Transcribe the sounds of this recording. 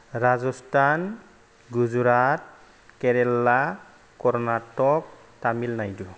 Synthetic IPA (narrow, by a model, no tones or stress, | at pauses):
ɹazɔstan | ɡuzuɾat̚ | kɛɾɛlːa | kɔɾɔnatɔk̚ | tamilnajdu